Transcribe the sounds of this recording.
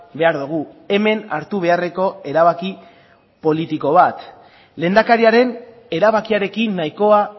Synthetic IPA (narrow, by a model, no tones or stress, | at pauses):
be̞aɾðuɣ̞u | e̞me̞na̰ɾt̪uβ̞e̞are̞ko̞e̞ɾaβ̞aki | po̞lit̪iko̞β̞at̪ | le̞nd̪akaɾiaɾe̞n | e̞ɾaβakiaɾe̞kinːajiko̞a